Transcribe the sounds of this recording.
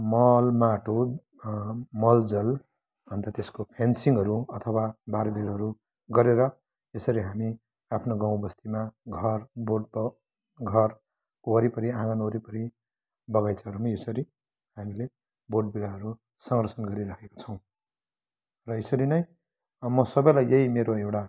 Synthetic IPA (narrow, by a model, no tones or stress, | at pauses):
mʌlmaʈo | mʌld͡zʌl | bʱʌnt̪at̪eskopʰensiŋɦʌɾuʌt̪ʰʌwabarbeɾɦʌɾu | ɡʌɾeɾʌ | esʌɾiɦami | apʰnoɡãw̃bʌst̪imaɡʱʌrboʈ̚b | ɡʱʌr | oʌɾipʌɾiãɡanoɾipʌɾi | bʌɡajt͡sʰʌɦʌɾumesʌɾi | hamile | boʈ̚biɾaɦʌɾu | sʌŋɡrʌsʌnɡʌɾiɾakʰeko̥t͡sʰʌ̃w̃ | rʌesʌɾinʌj | mʌsʌbʌjlajeɦimeɾoewʈa